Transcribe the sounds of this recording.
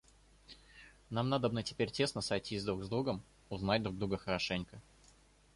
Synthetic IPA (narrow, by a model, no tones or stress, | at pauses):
namnad̪əbnətʲɪ̥pʲeɾʲtʲe̞snəsɐjtʲizʲd̪ɾuɡzd̪ɾuɡəm | ʊznadʲd̪ɾuɡd̪ɾuɡəxəɾɐʂɛnʲkə